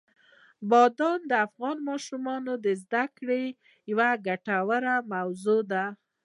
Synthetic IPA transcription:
bɑd̪ɑnd̪əafɣɑnmɑʃumɑnod̪əzd̪akɽe | jawaɡaʈawəɾamawzod̪a

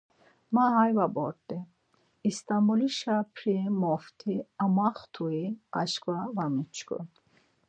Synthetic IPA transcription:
maɦajvabɔ̰ɾt̪ʼɛ | ist̪amuliʃapʰɾimɔft̪ʰiamaχt̪ʰuia̰ʃkʼwavamit͡ʃʰkɔ̰

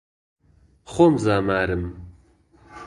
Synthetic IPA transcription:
χomzaːmaːɾɨm

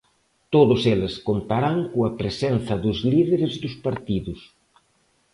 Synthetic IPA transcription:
t̪oðʊselɪskont̪aɾaŋkoɐpɾesen̟θɐðʊzliðeɾɪzðʊspaɾt̪iðʊs

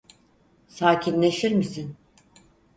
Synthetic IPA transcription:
saːcʰinlʲe̞ʃiɾmisin

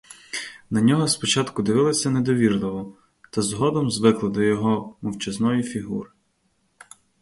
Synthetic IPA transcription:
nɐnʲɔɦɔspɔt͡ʃɑt̪kʊd̪ɪʋɪlˠɔsʲɐned̪ɔʋʲirlˠɪʋɔ | t̪ɐzɦɔd̪ɔmzʋɪklˠɪd̪ɔjɔɦɔmɔwt͡ʃɐznɔjifʲiɦṵɾɪ

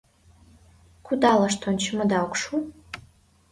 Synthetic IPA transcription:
kʰʷudaːlɐʂtʰont͡ʃʰɪmɐdawkʷʂu

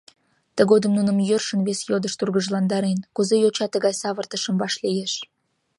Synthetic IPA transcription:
t̪ə̆ɣod̪əmnunə̆mjørʃə̆nβesjod̪əʃt̪urɣəʒlɑnd̪ɑɾenkuzejot͡ɕɑt̪əɣɑjsɑβərt̪ə̆ʃə̆mbɑʃlijeʃ

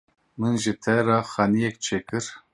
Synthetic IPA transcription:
mɨnʒɨt̪ʰɛɾɑːxɑːnijɛk̚t͡ʃʰeːkɨɾ

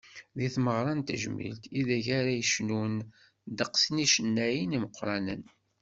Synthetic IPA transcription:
ðiθməʁɾˤɑnt̪əʒmḭlt̪iðæʝaɾæjəʃnun | d̪əqsniʃənːæjiniməqːɾˤɑnə̰n

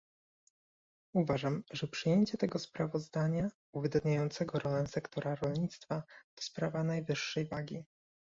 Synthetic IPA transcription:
uvaʐamʐɛpʂɘjeɲt͡ɕɛt̪ɛɡɔspɾavɔzd̪aɲa | uvɘd̪ad̪ɲajɔnt̪sɛɡɔɾɔlɛsɛkt̪ɔɾaɾɔlɲit̪st̪fat̪ɔ̥spɾavanajvɘʂːɛjvaɡʲi

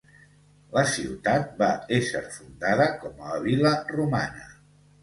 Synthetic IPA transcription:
ləsiwt̪at̪̚baeʃəɾfund̪aðəkɔməəβiləruma̰nə

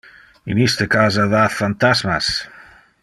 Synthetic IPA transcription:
ḭmist̪əkazaðafant̪azmas

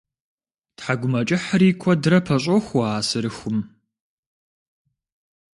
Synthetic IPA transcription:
tħaɡʷʊmɐt͡ʃʼɪħɾiːkʷʰɔdɨɾɐpʰɐɕʼɔxʷɔaːsɨɾɨxʷʊm

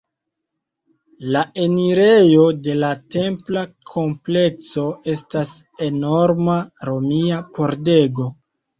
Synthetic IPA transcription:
laʔe̞niɾe̞jo̞de̞late̞mplakʰo̞mple̞kso̞e̞stas | e̞no̞ɾmaɾo̞miapo̞ɾde̞ɡo̞

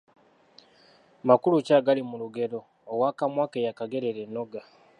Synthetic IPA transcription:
makulucaːɡalimuluɡe̞ɾo̞ː | wakamwaːkejakaɡe̞ɾeɾenoɡa

